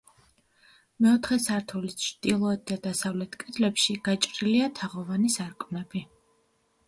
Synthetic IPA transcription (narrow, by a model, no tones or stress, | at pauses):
mɛɔt̪ʰχɛsaɾt̪ʰulit͡ʃʰɾd̪̥ilˠɔɛt̪̚d̪ad̪asavlɛt̪ʰkʼɛd̪lɛpʃiɡ̥at͡ʃʼɾiliat̪ʰaʁɔvanisaɾkʼmnɛb̥i